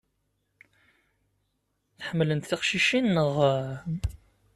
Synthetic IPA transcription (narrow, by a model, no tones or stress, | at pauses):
θħəmːlənt̪θiqʃiʃinːəʁ